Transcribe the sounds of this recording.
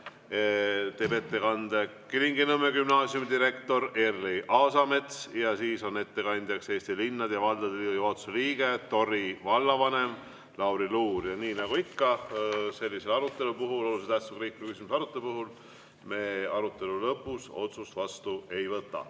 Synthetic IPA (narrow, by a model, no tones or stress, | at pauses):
t̪e̞ːbe̞t̪ːekɑnd̪̥ekiliŋɡinɤmːeɡymnɑːsjumid̪iɾe̞kt̪o̞ɾerːiʔɑːsɑme̞t̪sjɑsiːso̞ne̞t̪ːe̞kɑnʲd̪ʲjɑkse̞ːst̪ilinːɑd̪̥jɑvɑld̪̥ɑd̪liːjot̪suliːɡ̥e̞t̪o̞rivɑlːɑvɑne̞m | lɑwɾiluːɾjɑniːnɑɡuikːɑse̞lːise̞lɑɾut̪ˑːe̞lupuɦulo̞luset̪æht̪sukriːkːukys̬ʲimusɑɾut̪ːˑe̞lupuɦul | me̞ːɑɾut̪ːˑe̞lulɤpːˑuso̞t̪sust̪vɑst̪ue̞jvɤt̪ːˑɑ̰